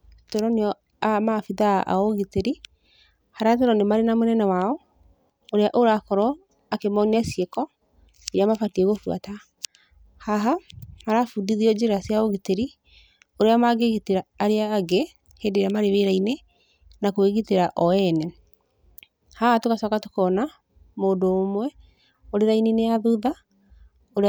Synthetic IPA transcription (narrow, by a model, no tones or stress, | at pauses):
toɾɔneɔ | amafiða̰ʔa̰oɣiteɾi | haɾat̬oɾɔnemaɾenamonɛnɛwaɔ | oɾeaʔoɾakɔɾɔ | akemɔniasiekɔ | eɾeamafatiɛɣofwa̰ta | haɦamaɾafudiðiɔd͡ʑeɾasiaoɣiteɾi | oɾeamaɡeɣiteɾaːɾeaːɡe | heːndeɾamaɾeβeɾaine | nakoeɣiteɾaʔɔɛnɛ | hahatokasɔkatokɔna | moːndoːmwɛ | oɾeɾainineaðuða | oɾ